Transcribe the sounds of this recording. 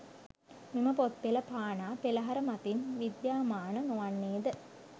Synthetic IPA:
miməpot̪̚peləpaːnaːpeləɦaɾəmat̪inʋid̪jaːmaːnənoʋanːeːd̪ə

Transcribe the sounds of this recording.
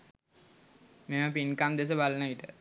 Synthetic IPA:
meməpinkamd̪es̬əbalənəiʈə

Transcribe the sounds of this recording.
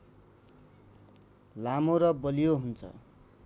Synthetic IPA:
lamoɾʌbʌlijoɦunt͡sʰʌ̰

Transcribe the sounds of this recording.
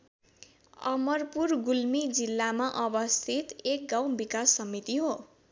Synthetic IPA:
ʌ̰mʌrpurɡulmid͡zilːamaʔʌbʌst̪ʰit̪ek̚ɡaw̃bikasːʌmit̪iɦo

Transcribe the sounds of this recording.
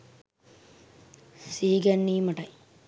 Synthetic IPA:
siːɡɐɳːiːmɐʈɐj

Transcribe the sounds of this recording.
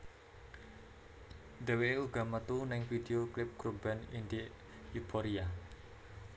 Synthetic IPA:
d̪̥ɛweuɡ̥a̤mət̪unɪŋfid̪eoklɪp̚ɡ̥ɾub̥anind̪i | jubʰoɾia

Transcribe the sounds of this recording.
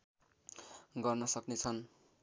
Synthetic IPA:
ɡʌrnʌsʌknet͡sʰʌn

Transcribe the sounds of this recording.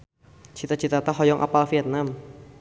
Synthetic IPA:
t͡ʃit̪at͡ʃit̪at̪aɦɔjɔŋʔa̰palfiɛt̪̚nam

